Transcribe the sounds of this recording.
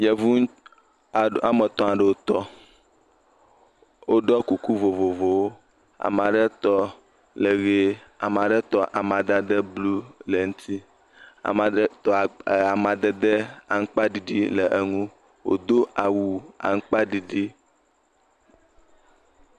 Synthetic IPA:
jɛ˨vu˦˨ | a˨mə˨t̪ɔ̃˦a˨ɖə˨wo˦t̪ɔ˦ | wo˦ɖɔ˦ku˨ku˦vo˨vo˨vo˨wo˦ | a̰˨m˨a˨ɖə˦t̪ɔ˦ | lə˨ɣe˦a˨mã˨ɖə˦t̪ɔ˦ʔa˨mã˨d̪a˦d̪ə˦blu˦lə˨ŋũ˦t̪ʰi˦ | a̰˨ma˨˦t̪ɔ˨a˨mã˨d̪ə˦d̪ə˦a˨ŋ̩˦k͡pa˦ɖi˨ɖi˦lə˨ʔe˨ŋũ˦ | wo̰˨d̪o˦ʔa˨wu˨a̰˨ŋ̩˦k͡pa˦ɖi˨ɖi˦

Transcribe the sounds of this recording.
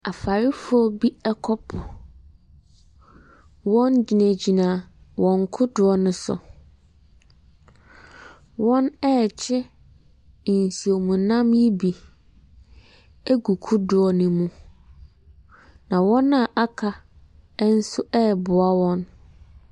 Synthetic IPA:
a˨fa˨ɾɪ˦fʊ˦ɔ˦bi˦ɛ˦kʰɔ˦pʰʊ˨ | wɔ̃˦nd͡ʑi˨næ̃˨d͡ʑi˨nã˨wʔɔ̃˨ŋ˨kʰʊ˦dʊ˨ɔ˦nʊ̃˦sʊ̰˨ | wɔ̃˦nɛ˦˨t͡ɕʰɛ˦˨ | n̩˨si˨o˨mũ˨nã˦mji˦bi˨ | ɛ˦ɡu˨kʰu˦dʊ˨ɔ˨nʊ̃˨mũ˦ | nã˨wɔ̃˦nã˨ʔa˦kʰa˨ | ɛ˦n̩˦sʊ˦ɛ˦˨bʊ˨a˦wɔ̃˦n

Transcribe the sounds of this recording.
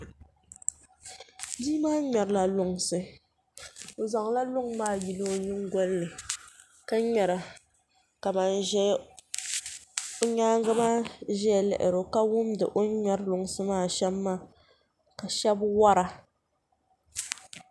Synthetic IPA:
di˦maː˦ɲɛ˨ɾla˨lʊ˨ŋsɨ˦ | o˨za˨ŋ˦la˦lʊ˦ŋmaː˦˨ji˨lɨ˦o˨ɲɨ˦ŋɡɔ˦lnɨ˨ | ka˦ɲɛ˨ɾa˨ | ka˨ma˨n˦ʒɛ˦ | o˦ɲaː˦ŋɡa˦maː˦˨ʒɛ˦a˨lɛ̰˨ʔɪ˨ɾo˨ka˦wʊ˦mdɨ̰˨ʔo˦ɲɛ˦ɾlʊ˨ŋ˦sɨ˦maː˦˨ʃɛ˦mːaː˦˨ | ka˨ʃɛ˦bwa˦ɾa˨

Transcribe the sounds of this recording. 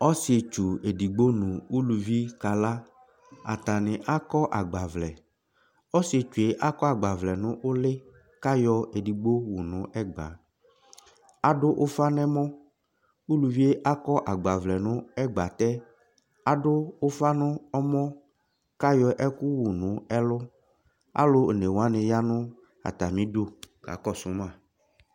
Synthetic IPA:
ɔ˦sɪ˨e˨t͡ʃu˨e˨di˨ɡ͡bo˦nʊ̃˨u˦lu˨vi˦ka˨la˦ | a̰˨t̪a˨nɪ̃˨ʔa˦kɔ˦ʔa˨ɡ͡ba˨vlɛ˨ | ɔ˦si˨e˨t͡ʃu˨e˨ʔa˦kɔ˦a˨ɡ͡ba˨vlɛ˨nʊ̃˦ʔʊ˦lɪ˦ | ka˦jɔ˨e˨di˨ɡ͡bo˦wu˨nʊ̃˨˦ʔɛ˦ɡ͡ba̰˨ | a˨ɖʊ˦ʔʊ˦fa˦nɛ̃˦mɔ̃˦ | wu˦lu˨vi˦e˦ʔa˦kɔ˦ʔa˨ɡ͡ba˨vlɛ˨nʊ̃˦ɛ˦ɡ͡ba˨t̪ɛ˦ | a˦ɖʊ˦o˦fa˦nʊ̃˦ɔ˦mɔ̃˦ | ka˦jɔ˨ʔɛ˦ku˦wu˨nʊ̃˨˦ɛ˦lʊ˦ | a̰˦lo˦˨ne˨wa˦ne˨ja˦nʊ̃˦ | a̰˨t̪a˨mĩ˦do˦ka̰˨kɔ˦sʊ˨˦mã˦˨

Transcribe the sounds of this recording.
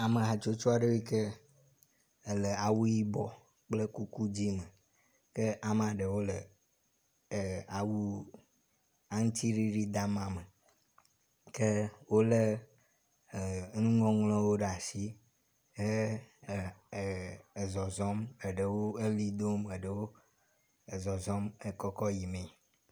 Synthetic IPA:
a˨mə˨ɦa˨t͡ʃo˦t͡ʃɔ˦a˨ɖe˦wi˦kə˦ | ə˨lə˨a˨wu˦ji˦bɔ˦ | k͡plə˦ku˦ku˦d͡ʑi˦mə˨ | kə˦ʔa˨m˨a˨ɖə˨wo˦lə˨ | a˨wu˦ | a˦ŋ̩̃˦t̪i˦ɾi˦ɖi˦d̪a˦mã˨mə˨ | ke˦wo˦le˦˨ | ŋũ˦ŋɔ̃˦ŋlɔ̃˦wo˦ɖe˨a˨si˦ | ɦe˦˨ | zɔ˨zɔ˦me˨ɖə˨wo˦e˦li˦d̪o˦me˨ɖə˨wo˦ | e˨zɔ˨zɔ˦me˨kɔ˦kɔ˦ji˨mẽ˨

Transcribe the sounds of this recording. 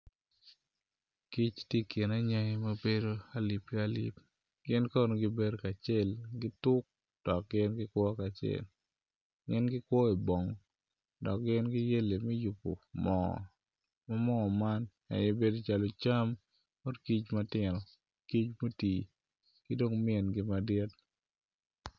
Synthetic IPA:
ki˦t͡ʃtje˦kɪ˨na˦ɲa˦ŋe˦ma˦be˦do˦a˦li˨pka˦lḭ˦p | ɡɪ˦nkɔ˦no˨ɡɪ˦be˦ɾka˨t͡ʃɛ˦lɡɪ˦tʊ˦k̚ | d̥ɔ˨k̚ɡɪ˦nɡɪ˦kwɔ˦ka˨t͡ʃɛ̰˦˨l | ŋɪ˦nɡɪ˦kwɔ˦e˨bo˨ŋ˨ | dɔ˨k̚ɡɪ˦nɡɪ˦je˦le˨mɛ˦ju˨po̰˨mɔ̰˨ | ma˦mɔ˦˨ma˦n | a̰˨jɛ˦be˦do˦t͡ʃa˨lo˨t͡ʃa˦m | ɔ˦dki˦t͡ʃma˦tɪ˦˨ɾɔ˨ | ki˦t͡ʃmo˦ti˨ | kɪ˦do˦ŋmɪ˦ɛ˨nɡɪ˦ma˦dɪɛ˦t

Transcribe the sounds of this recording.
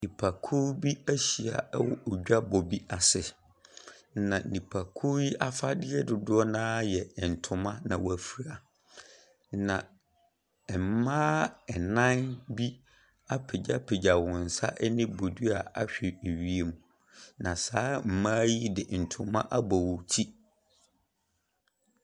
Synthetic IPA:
nĩ˨pʰa˨kʰu˦bi˦æ˦ɕi˨a̰˨˦wɔ̰˨ʔo˨d͡ʑᶣa˦bɔ˨bi˦a˨sɪ˨ | nã˨nĩ˨pʰa˨kʰu˦ji˦ʔa˦fa˦dɪ˦ɛ˦dʊ˨dʊ˦ɔ˦nãː˦jɛ˨n̩˨tʰʊ̃˨mã˦nã˨wæ˨fi˨ɾa˨ | nã˨ | m̩˨mãː˦ɛ˨nã˦nbi˦ | a˦pʰɪ˨d͡ʑa˦pʰe˨d͡ʑa˨wʊ̃˨n̩˨sa̰˦ʔɛ˦nɪ̃˦bo˨du˦a˨a˦ɕᶣɪ˨e˨ɥi˦e˦mũ˨ | nã˨saː˦m̩˨mãː˦ji˦dɪ˨n̩˨tʰʊ̃˨mã˦ʔa˦bɔ˨wʊ˨tʰi˦

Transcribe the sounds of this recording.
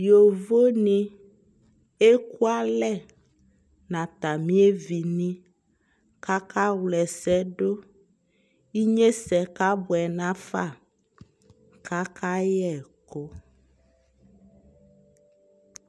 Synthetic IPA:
jo˨vo˦nĩ˦ | e˦ku˦a˦lɛ˦˨ | nã˨t̪a˨mĩ˦e˦vi˨nĩ˦ | ka˦ka˦wlɛ˨sɛ˦ɖo˦ | i˦ɲẽ˦sɛ˨ka˦bɔ˨ɛ˨nã˦fa˦˨ | ka˦kʰa˦jɛ˦˨ko˦

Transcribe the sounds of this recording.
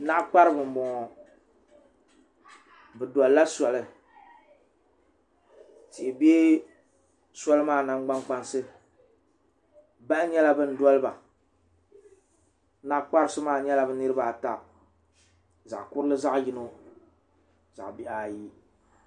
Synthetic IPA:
na˦ʔk͡pa˦ɾɨ˦bɨ˨m˨bɔ˨ɔ˨ | bɨ˨dɔ˨lːa˦sɔ˨lɨ˦ | ti˨be˦ | sɔ˦lɨ˦maː˦˨na˦ŋ˦ɡ͡ba˦ŋk͡pa˦nsɨ˦ | ba˦ʔɲɛ˦la˦bɨ˦n̩˦dɔ˦lɨ˦ba˨ | na˦k͡pa˦ɾɨ˦sʊ˦maː˦˨ɲɛ˦la˦bɨ˨˦nɨ˦ɾɨ˦ba˨ta˨ | za˨kʊ˦ɾɨ˦lɨ˦za˦ʔji˦no˦ | za̰˨ʔbi˦ʔa˨ji˦

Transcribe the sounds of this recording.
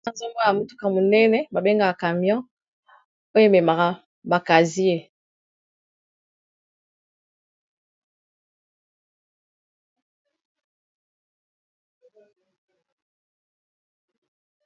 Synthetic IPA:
a˦za˦mbo˦˨a˨mo˦tu̥˦ka˨mo˨nɛ˦nɛ˨ba˨be˦ŋɡa˨ka˨ka˨mjɔ̃˦ | o˦jo˦me˨ma˨ka˨ | ba˨ka˨zi˦e˨

